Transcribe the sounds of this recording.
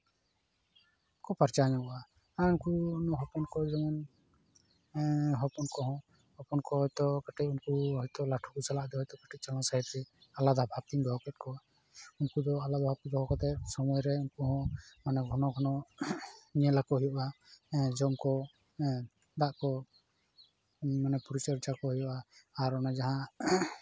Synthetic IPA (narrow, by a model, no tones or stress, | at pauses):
kɔpaɾt͡ʃaɲakɔa | aunkuunɔɦɔpɔnkɔd͡ʒɔman | ɦɔpɔnkɔɦɔ̃ | hɔpɔnkɔɦɔjt̪ɔkaʈʰic̚unkuɦɔjt̪ɔlaʈʰukusalaʔd̪ɔɦɔjt̪ɔkaʈʰic̚t͡ʃalãsaɦit̪ɾɛalad̪ɔbʱap̚t̪iɡʱɔɦɔkɛt̪̚kʰɔa | unkud̪ɔalad̪ɔbʱap̚t̪iɡɔɦɔkɔt̪ɛsɔmɔjɾɛunkuɦɔ̃manɛɡʱɔnɔɡʰʱɔnɔ | ɲɛlakɔɦɔjɔʔad͡ʒɔmkɔ | d̪aʔkɔ | manɛpuɾit͡ʃɔɾd͡ʒakɔɦɔjɔʔaːɾɔnad͡ʒaɦã